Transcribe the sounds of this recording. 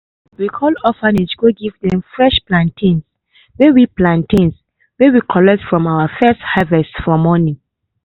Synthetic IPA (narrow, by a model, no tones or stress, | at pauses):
wikʰɔlɔfanisɡoɡivdɛ̃mfɹɛʃplãntʰĩns | wewiplãntĩns | wewikʰɔlɛk̚tfɹɔ̃mawafɛsthavɛstfɔmɔnĩ